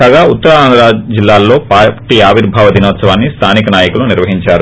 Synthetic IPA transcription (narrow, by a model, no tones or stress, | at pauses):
aːɡaːut̪ːɐɾaːnd̪ɾaːd͡ʒilːaːlːo̞ːpaːʈiːaːʋiɾbʱaːʋɐd̪inoːt̪sɐʋaːnːist̪ʰaːnikɐnaːjɐkuluniɾʋɐɦiɲt͡ʃaːɾu